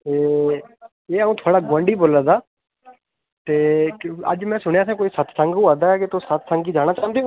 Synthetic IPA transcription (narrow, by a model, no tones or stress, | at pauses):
teː | eːaũːt̪ʰʊaːɽaːɡwə̃ɳɖiːboːlãːd̪aː | t̪eːə̰d͡ʒmɛ̃ːsʊɽ̃jaːsãːkoːiːsət̪ʰsə̃ŋɡũːad̪aːɛkɪt̪osət̪sə̃ŋɡiːd͡ʒaːɽ̃aːt͡ʃãːnd̪ejoː